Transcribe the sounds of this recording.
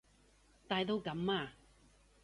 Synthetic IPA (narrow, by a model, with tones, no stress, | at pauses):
t̪aː˨jt̪o˧wkɐ˨˧˥mːaː˧